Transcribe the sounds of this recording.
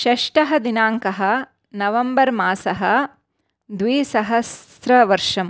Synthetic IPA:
ʃɐʂʈɐɦɐd̪inaːŋkɐɦɐ̆ | nɐʋɐmbɐɾmaːsɐɦɐ̆ | d̪ʋiːsɐɦɐs | ɾɐʋɐɾʂɐm

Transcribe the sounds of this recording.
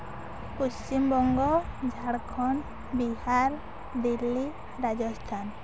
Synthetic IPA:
pust͡ʃimbɔŋɡɔd͡ʒʱaɽkʰɔn | bihaɾ | d̪ilːi | ɾad͡ʒɔstʰan

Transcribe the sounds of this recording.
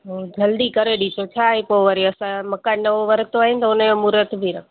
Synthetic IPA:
ɦod͡ʒʱɐld̪ikɐɾeɗit͡ʃʰot͡ʃʰaːepoʋəɾiɐsãmɐkanɐʋoʋɐɾt̪oaːɦɪnɪ̆t̪ɐʊnjomuɾət̪bʱiɾɐk

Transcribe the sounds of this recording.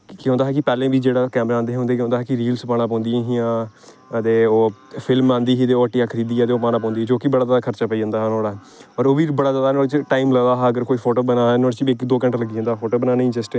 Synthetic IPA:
kɪɦõnd̪aːɦɛːk̬ɪpɛːlẽːʋiːd͡ʒeːɽaːkɛːmɾaːãːnd̪eːɦʊ̃ːnd̪eːkɦõːd̪aːɦɛːkɪɾiːlspaːɽaːpɔ̃ːnd̪ɪjãːɦijãː | ət̪eːoːpʰɪlmãːnd̪iːɦiːt̪eːoːəʈːiaːkʰəɾiːd̪iːaːt̪eːoːpaːnãːpɔ̃ːnd̪iːd͡ʒoːkiːbəɽaːzaːd̪aːkʰəɾt͡ʃaːpəiːd͡ʒãːnd̪aːɦɛnoːɽaːɦ | ɔːɾoːʋiːbəɽaːzaːd̪anoːɽet͡ʃʈaːimləd̪aːɦɛəɡəɾkoːiːpʰoːʈoːbənãːnoɽet͡ʃːɪkd̪oːkəɳʈləɡiːd͡ʒãːnd̪aːpʰoːʈoːbənaːneĩːd͡ʒəsʈː

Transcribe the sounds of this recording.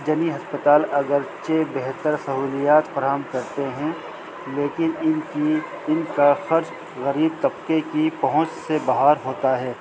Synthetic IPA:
d͡ʒɐniɦɐspət̪aːlɐɡəɾt͡ʃebɛɦt̪əɾsɐɦuːlijaːt̪fɐɾaːɦəmkɐɾt̪eɦɛ̃ | leːkɪnɪnki | ɪnkaxɐɾd͡ʒ | ɣɐɾiːb̚t̪ɐbqekipɐɦʊ̃t͡ʃsebɐɦaːɾɦoːt̪aɦɛː

